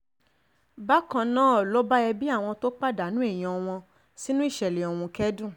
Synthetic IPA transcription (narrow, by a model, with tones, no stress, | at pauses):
ba˦kã˧nã˦ɔ˨lɔ˦ba˦ɛ˧bi˦a˦˨w̃ɔ̃˧to˦k͡pa˦da˨˦nũ˦e˦˨j̃ɔ̃˨˧ɔ˧w̃ɔ̃˧ | si˦nũ˦i˦˨ʃɛ˨le˨ɔ˨wũ˧kɛ˦dũ˦˨